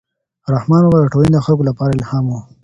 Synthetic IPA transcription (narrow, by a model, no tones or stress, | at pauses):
ɾahmɑnobad̪əʈowind̪əxalkolapɑɾaɪlhɑːmwu